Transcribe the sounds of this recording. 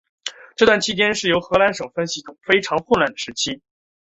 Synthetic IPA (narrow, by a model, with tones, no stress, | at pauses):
ʈ͡ʂɤ˥˧t̪wa˥˩nt͡ɕʰi˥t͡ɕjɛ˥nʂɻ̩˥˩jo˧˥ʊxɤ˧˥la˧˥nʂɤ˨˩ŋfə˥nɕi˥˩t̪ʰʊ˨˩ŋfe˥ɪʈ͡ʂʰɑ˧˥ŋxwʊ˥˧nla˥˩nd̪ə˩ʂɻ̩˧˥t͡ɕʰi˥